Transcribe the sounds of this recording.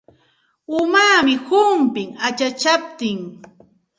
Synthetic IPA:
ʊmaːmɪhʊmpɪŋat͡ʃat͡ʃap̚t̪ɪŋ

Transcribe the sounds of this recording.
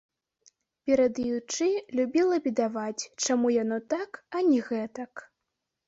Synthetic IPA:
pʲɛɾɐd̪jut͡ʂɨlʲubʲilˠɐbʲid̪avat͡sʲt͡ʂamujanɔt̪akɐnʲɛɣɛt̪ɐk

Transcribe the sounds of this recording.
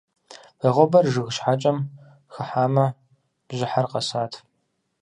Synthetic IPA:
bɐʁʷɔbɐrʒɨɣʃħat͡ʃʼɐm | xɨħaːmɐ | b̥ʑɪħarqɐsaːtʰ

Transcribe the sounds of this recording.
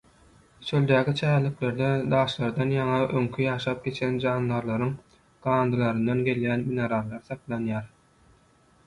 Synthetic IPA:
ʃølʲd̪æːkʰʲit͡ʃʰæːlːikle̞ɾd̪ed̪ɑːʃlˠɑɾd̪ɑnjɑŋɑʔøŋkʲʰijɑːʃɑːp̚ɡʲe̞t͡ʃʰend͡ʒɑːnːɑɾlˠɑɾɯŋ | ɡ̥ɑːnd̪ɯlˠɑɾɯnd̪ɑnɡʲe̞ljæːnmineɾɑlˠːɑɾθɑqlˠɑnjɑːɾ

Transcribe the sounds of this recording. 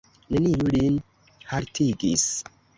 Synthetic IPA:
nenijulin | haɾtʰiɡḭs

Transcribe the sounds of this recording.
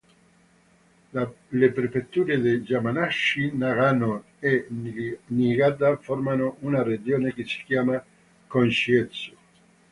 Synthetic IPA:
lepɾefet̪ːuːɾed̪ejd͡ʒamanaʃinaɣano | e | niɡat̪aformanoʔunared͡ʒoːnekesi̥kjaːma | konʃiet̪so̥

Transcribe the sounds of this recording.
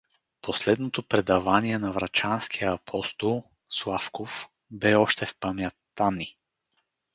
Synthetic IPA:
poslɛd̪not̪opɾɛd̪avaniɛnɐvɾɐt͡ʃanskʰijəːpʰɔst̪olˠ | slˠafkof | bɛɔʃt̪ɛfpɐmjat̪ani

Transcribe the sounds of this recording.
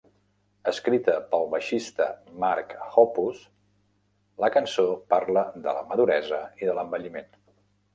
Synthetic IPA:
əskɾit̪əpəlˠβəʃist̪ə̰maɾkhɔpus | ləkənsopaɾləðə̰ləməðuɾɛzəiðələmbəʎimen

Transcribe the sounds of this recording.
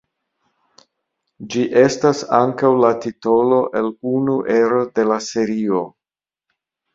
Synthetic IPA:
d͡ʒiʔe̞stasaŋkawlatito̞lo̞ʔe̞lunuʔe̞ɾo̞de̞lase̞ɾio̞

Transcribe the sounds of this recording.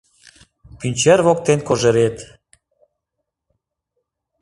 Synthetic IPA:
pynʲt͡ɕeɾβok̚t̪enkoʒĕɾet̪

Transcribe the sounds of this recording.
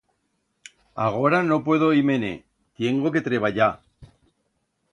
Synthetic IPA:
a̰ɣ̞o̞ɾano̞pwe̞ð̞o̞ime̞ne̞̰ | t̪je̞ŋɡo̞ke̞t̪ɾe̞β̞aʎa

